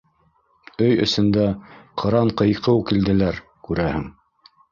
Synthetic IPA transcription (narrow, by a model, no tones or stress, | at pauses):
ɵjɵ̰̆sɵ̆nd̪æqʰɤ̆ɾɑɴqɤ̆jqɤwkild̪ɘ̆læɾ | kʉɾæhɘŋ